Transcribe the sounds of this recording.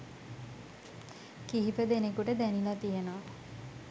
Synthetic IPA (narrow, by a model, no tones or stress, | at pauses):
kiɦipəd̪enekuʈəd̪ænilat̪ijenoʋa